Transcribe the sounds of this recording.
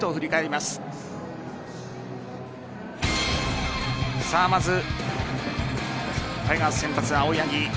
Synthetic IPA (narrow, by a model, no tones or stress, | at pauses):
t̪oɸɯ̟ɾʲikaeɾʲimasɨ̥ | saːmazɨ | k̪aiɡasẽmpat͡sɨaoiaɡʲi